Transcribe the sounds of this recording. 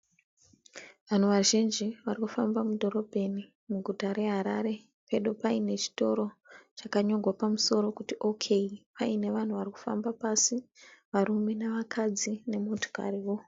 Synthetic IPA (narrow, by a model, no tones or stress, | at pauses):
ʋan̤uʋaʒind͡ʒiʋarikufambamudʱo̞ɾo̞bʱe̞ni | muɡʱutaɾe̞ɦaɾa̰ɾe̞ | pe̞ɗo̞paine̞t͡ʃi̥to̞ɾo̞t͡ʃakaɲo̞ɡʱwapamuso̞ɾo̞kutiʔo̞kʰe̞ipaine̞ʋan̤uʋariku̥fa̰mbapasiʋaɾume̞naʋakʰad͡zine̞mo̞tʰo̥ka̰ɾiʋo̞